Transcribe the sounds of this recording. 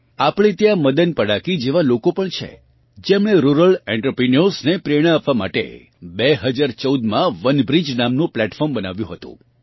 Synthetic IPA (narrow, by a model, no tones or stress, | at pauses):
apɳ̃it̪jãməd̪ənpəɽakid͡ʒeʋalokopəɳt͡ʃʰḛ | d͡ʒemɽ̃eɾuɾəlɛ̃ɳʈəpɾiniosnepɾeɽ̃ãapʋama̰ʈḛ | beɦəd͡ʒaɾt͡ʃəud̪mãʋənbɾid͡ʒnamnũplɛʈfɔɾmbəna̰ʋjũɦət̪ṵ̃